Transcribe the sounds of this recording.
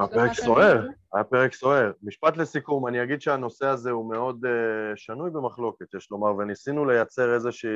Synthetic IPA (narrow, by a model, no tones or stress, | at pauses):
mapeʁekso̞e̞ʁajape̞ʁekso̞e̞ʁmiʃpat̪le̞sikumaniaɡid̪ʃeano̞seaze̞ume̞o̞dʃanujbemaχlo̞ke̞t̪jeʃlo̞maʁvenisinule̞jat͡se̞ʁezeʃiː